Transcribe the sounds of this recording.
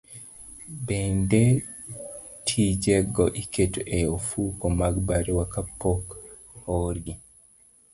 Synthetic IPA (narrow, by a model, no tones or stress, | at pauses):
bende | tʰid͡ʒɛɡɔʔiketoʔeofukomaɡbaɾiwakapok | hoɾɡi